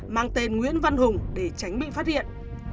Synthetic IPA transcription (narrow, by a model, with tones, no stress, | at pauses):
maː˧ŋt̪e˧˩nŋwḭ˧˥ənva˧nɦʊ˨˩ŋ͡mɗe˧˩t͡ɕa˨˦jŋ̟ɓḭ˧˨faː˦˥t̚hḭ˧˨ənʔ